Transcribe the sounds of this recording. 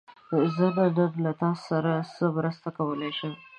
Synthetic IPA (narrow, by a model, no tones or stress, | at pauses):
d̪əɪzad̪ad̪ad̪lat̪ɑssaɾasəmɾəst̪akawəlajʃem